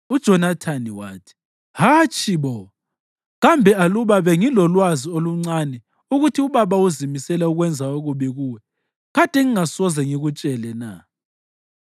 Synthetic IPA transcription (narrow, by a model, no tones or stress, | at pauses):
ud̥ʒ̥ʱɔnatʰaniwa̰ːtʰi̥ | hat͡ʃʰʼiβɔ | ɣambʱɛaluβaβɛŋilɔlwazioluŋ͡ǀanɛ | uɣutʰiuβaβauzimisɛlɛuɣwɛnd͡zʱaoɣuβiɣuːwɛ | ɣad̥ʱɛŋiŋasɔzɛŋiɣut͡ʃʼɛlɛna̰